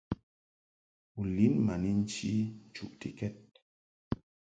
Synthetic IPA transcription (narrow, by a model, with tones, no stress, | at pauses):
u˨li˨˦nma˨ni˦n̩˦t͡ʃi˦˨t͡ʃu˨ʔti˨kɛ˦t̚